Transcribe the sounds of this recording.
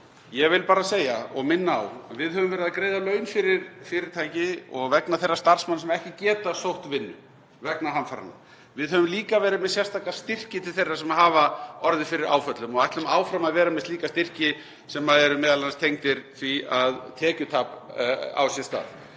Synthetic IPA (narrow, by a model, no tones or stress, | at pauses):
jɛvɪlpaːɾaseːjaɔɣmɪnːaawavɪðɦœvʏmvɛːɾɪðakɾeːjðalœːɥnfɪɾɪɾfɪɾɪɾ̥t̪ʰaːjcɪɔɣvɛknaθejrːast̪ar̥smanːsɛmaɛhcɪcɛːt̪asowht̪vɪnːʏ̰ | vɛknaɦanfaɾa̰nːa̰ | vɪðɦœvʏmliːkavɛːɾɪðmɛðsjɛst̪ʰaːkast̪ɪr̥cɪt̪ʰɪlθejrːasɛmaðɦaːvaɔɾðɪfɪɾɪɾa̰ːwfœt̪lʏmɔɣajt̪lʏmaːwfɾamaðvɛːɾamɛstliːkast̪ɪr̥cɪ | sɛmːaðɛɾʏmɛːðalanast̪ʰejŋt̪ɪɾ̥θiaðt̪ʰɛːcʏt̪ʰaːpa̰wsjɛst̪a̰ːθ